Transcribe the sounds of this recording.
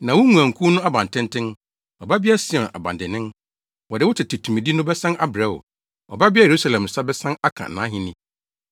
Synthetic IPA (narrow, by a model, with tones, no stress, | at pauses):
nã˨wʊ˦ŋũ˨ã˨ŋ̩˨kʰu˦nʊ̃˦a˦bã˨ntʰɪ̃˦n˦tʰɪ̃˦n | ɔ˨ba˦bi˦a˦sɪ˦˨ɛ̃˨nʔa̰˨bã̰˨n˨dɪ˨nɪ̃˦n | wɔ˨dɪ˨wʊ˦tʰɪ˨tʰɪ˨tʰũ˨mĩ˨di˦nʊ̃˦bɛ˦sã˦na˦bɾɛ˦˨wɔ̰˨ | ɔ˨ba˦bɪ˦a˦je˨ɾu˦sa˦lɛ̃˨m˨sa˦bɛ˦sã˦na˦kʰã̰˨nã̰˨˦ɦɪ̃˨nɪ̃˦